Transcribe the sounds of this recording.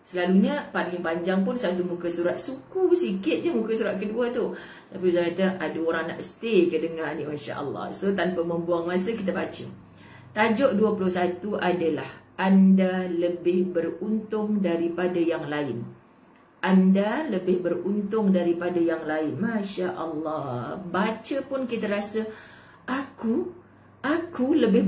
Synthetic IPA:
səlaluɲəpanlɪŋpaɲd͡ʒaŋp̬ʊnsat̪umukasuɾat̪̚sukusikɪt̪̚d͡ʒamukasuɾat̪̚kəduat̪u | t̪apiusakat̪aʔadaoɾaŋna̰ʔsə̥t̪ekədəŋanimaʃa̰ʔə̰lˠːɑ̰hsot̪anpaməmbuaŋmasəkit̪̬apat͡ʃə̰ | t̪ad͡ʒɔʔduapulʊhsat̪uʔadalahʔandaləbɪhbərunt̪ʊŋdaɾipadajaŋlaɪn | ʔandaləbɪhbərunt̪ʊŋdaɾipadajaŋlaɪnmãʃaʔəlːɑhbat͡ʃəpʊnkit̪aɾasə | aku | ʔakuləbɪ

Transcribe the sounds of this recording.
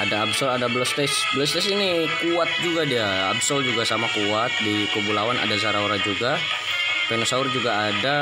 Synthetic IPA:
ʔadaːbsɔladablɔst̪ɛsblɔst̪ɛsini | kuat̪̚d͡ʒuɡadia | a̰bsɔld͡ʒuɡasamakuat̪̚dikobulawanʔa̰dazaɾauɾad͡ʒuɡa | pɛnosaʊrd͡ʒuɡaːda

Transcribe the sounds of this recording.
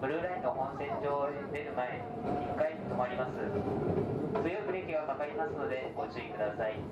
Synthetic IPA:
b̥ɯ̟ɾɯɾaĩnt̪ohõñsẽ̞ɲd͡ʑoː | d̪e̞ɾɯ̟mae̞ | ɲikait̪omoaɾʲimasɨ | sɨjokɯ̟ɾekʲiɡakakaimasɨno̞d̪e̞ɡot͡ɕɨikɯ̟d̪asai

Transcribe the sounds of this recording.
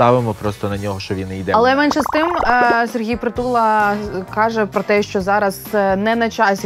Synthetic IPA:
t̪ɑʋɪmɔpɾɔst̪ɔnɐnʲɔɦɔʃt͡ʃɔʋinijd̪ɛɐlˠɛmɛnʃɛst̪ɪmserɦʲijpɾɪt̪ulˠɐkɑʒɛpɾɔt̪ɛʃt͡ʃɔzɑɾɐz̥nɛnɐt͡ʃɑsʲi

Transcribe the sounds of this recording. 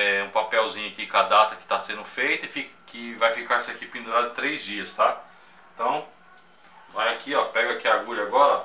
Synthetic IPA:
ɛũpapɛwzĩɲʊakikad̪at̪ɐkɪ̥t̪asẽnd̪ʊfejt̪ʊɪfi | kɪvajfikaɾsɪakipĩnd̪uɾad̪ʊɪt̪ɾejzd͡ʒiɐst̪a | ẽt̪ɐ̃w̃ | vajakʰiɔpɛɡakiaɡuʎaɡɔɾɐ

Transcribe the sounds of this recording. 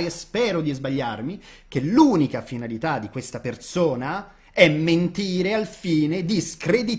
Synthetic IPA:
spɛːɾod̪izbaʎːarmik̟eluːnikafinalit̪ad̪ːikwest̪apersoːna | ɛmːent̪iːɾealfiːned̪iskɾed̪i

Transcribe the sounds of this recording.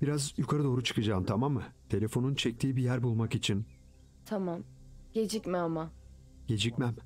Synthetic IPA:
b̥iɾazjukʰaɾɯd̪o̞ːɾut͡ʃʰɯ̥kɯd͡ʒaːmt̪ʰamamːɯt̪ʰe̞lʲe̞fo̞nunt͡ʃʰɛc̚t̪ʰiːbijæɾbulˠmakit͡ʃʰin | t̪ʰamam | ɟ̥e̞d͡ʒicʲmiama | ɟ̥e̞d͡ʒicmæm

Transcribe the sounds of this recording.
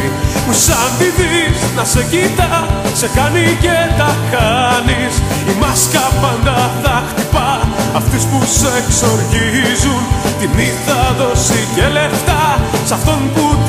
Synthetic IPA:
pusɐnd̪iðisnɐsecit̪ɐse̞kɐnicet̪ɐkɐnis | imɐskɐpɐnd̪ɐðɐkt̪ipɐɐft̪ispuseːkso̞ɾʝizunt̪iniðɐðo̞sicele̞ft̪ɐsɐft̪o̞nput̪

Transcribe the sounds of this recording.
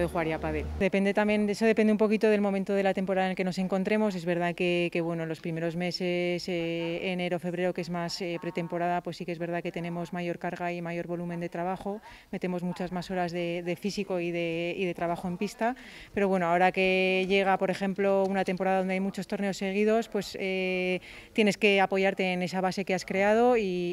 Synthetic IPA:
ðexuɣaɾiapaðeld̪e̞pe̞nd̪et̪amje̞neso̞ð̞e̞peneumpo̞kit̪o̞ðe̞lmo̞ment̪oðe̞lat̪e̞mpo̞ɾaðaelkeno̞se̞ŋko̞nt̪ɾe̞mo̞s̬e̞zβe̞ɾð̞akeke̞βwe̞nolo̞spɾime̞ɾo̞zme̞seseːne̞ɾo̞fe̞βɾe̞ɾo̞keezmasepɾe̞t̪e̞mpo̞ɾaðapwe̞sːikee̞zβeɾð̞ake̞t̪e̞ne̞mo̞zmaʝo̞ɾkaɾɣaimaʝo̞ɾβo̞lumend̪e̞t̪ɾaβaχo̞ | me̞t̪e̞mo̞zmut͡ʃazmaso̞ɾazðe̞ðe̞fisiko̞iðe̞iðe̞t̪ɾaβaχo̞e̞mpist̪a | pe̞ɾo̞βwe̞no̞ao̞ɾake̞ʝe̞ɣ̞apo̞ɾe̞xe̞mplo̞unat̪e̞mpo̞ɾaðaðo̞nd̪eajmut͡ʃo̞st̪o̞ɾne̞o̞sːe̞ɣ̞iðo̞spwe̞se | t̪jene̞ske̞apo̞ʝaɾt̪e̞ːne̞saβase̞keaskɾe̞að̞o̞i

